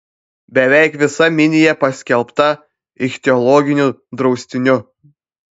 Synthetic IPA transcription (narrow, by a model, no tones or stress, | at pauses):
bʲɛʋʲɛˑɪkʋʲɪsɐmʲɪnʲɪjɛpɐsʲkʲɛlˠpt̪ɐ | ɪʃt̪ʲɛɔlˠɔɡʲɪnʲud̪ɾɒʊsʲt̪ʲɪnʲʊ